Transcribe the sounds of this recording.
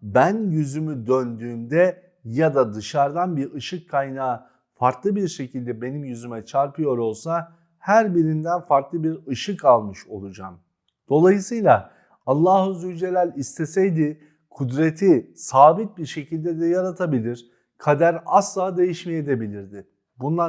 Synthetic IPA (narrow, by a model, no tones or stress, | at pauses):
bænjyzymyd̪ønd̪yːnd̪ɛ | jad̪ad̪ɯʃaɾd̪anbiɾɯʃɯkʰːajnaː | faɾklˠɯbiɾʃe̞cʰilʲd̪ɛbe̞nimjyzymɛt͡ʃʰaɾpɯjo̞ɾo̞lˠsa | hæɾbiɾind̪ænfaɾklˠɯbiɾɯʃɯkalˠmɯʃo̞lˠud͡ʒam | d̪̥o̞lˠajɯsɯjlˠa | alˠːaːhuzyd͡ʒelʲæɾʲist̪ʰe̞sɛjd̪ɪ | kʰud̪ɾe̞t̪ʰisaːbit̪̚biɾʃe̞cilʲd̪ɛd̪ɛjaɾat̪ʰabilʲiɾ̥ | kʰad̪æɾaslˠaːd̪e̞jiʃmɛjed̪ɛbilʲiɾd̪ɪ | bunlˠa